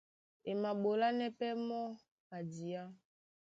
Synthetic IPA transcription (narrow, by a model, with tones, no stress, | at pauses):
e˨ma˨ɓo˨la˦nɛ˦pɛ˦mɔ˦ | a˨di˨a˦